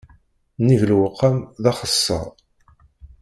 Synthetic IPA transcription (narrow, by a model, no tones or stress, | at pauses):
nivlwəqːamðɑχəsːɑ̰ʁˤ